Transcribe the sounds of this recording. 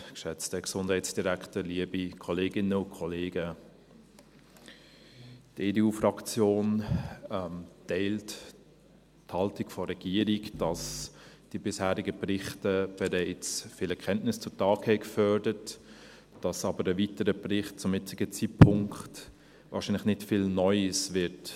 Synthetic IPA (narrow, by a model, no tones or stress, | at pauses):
kʃɛt͡stəksʊnd̥hɛɪsd̥iɾæktəliəbikʰɔleːɡɪnəʊnkʰɔleːɡə | teːdeuːfɾɑkt͡sjoːnɛmtɛɪlt | thɑltikfɔɾɛɡ̥iːəɾikd̥ɑsd̥ibɪshæːɾɪɡəbrɪχtəb̥ɛɾɛɪt͡sfɪːlɛkʰɛntnɪst͡sʊtɑːkhɛɪkfœɾdət | d̥ɑsɑːbəɾəviːtəɾəbrɪχt̚t͡sʊmjɪt͡sɪɡət͡siːtpʰʊŋkt | vɑ̰ːɾʃiːnlɪχnɪtfiːlnɔʏəsvɪt